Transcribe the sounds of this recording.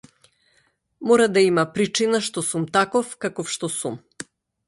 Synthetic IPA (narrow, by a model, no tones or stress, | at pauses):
mɔɾad̪aimapɾit͡ʃinaʃt̪ɔsumt̪akɔfkakɔfʃt̪ɔsum